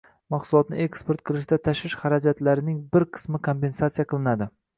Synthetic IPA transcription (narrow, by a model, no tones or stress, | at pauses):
mɑqsʊlˠɒt̪̚nɪ̰e̞kspoɾt̪̚qʰɨlˠɪʃ̬d̪at̪ʰaʃɪʃχaɾad͡ʒat̪laɾɪnɪŋbɪɾqʰɨ̥smɪkʰompe̞nsat̪sijaqʰɨlˠɪnad̪ɪ